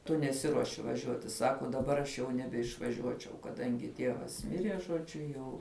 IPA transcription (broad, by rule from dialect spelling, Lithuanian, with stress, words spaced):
tʊ nʲɛˈsʲɪruɔʃʲɪ ʋɐˈʒʲuɔtʲɪ ˈsɑːkoː dɐˈbɐr ɐʃ jɛʊ nʲɛbʲɛɪʃʋɐˈʒʲuɔt͡ʃʲɛʊ kɐˈdɐŋʲɡʲɪ ˈtʲiɛʋɐs ˈmʲɪrʲiɛ ʒoːˈd͡ʒʲʊ ˈjɛʊ